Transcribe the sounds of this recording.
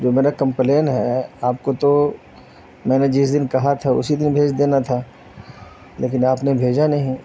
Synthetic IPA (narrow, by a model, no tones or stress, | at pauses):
d͡ʒoːmeːɾakɐ̃mpleːnɦɛaːp̚kot̪o | mɛ̃ːned͡ʒɪsd̪ɪnkɐɦat̪ʰaʊ̰sid̪ɪnbʱeːd͡ʒd̪eːnat̪ʰa | lḛːk̬ɪnaːpnebʱeːd͡ʒanɐɦĩ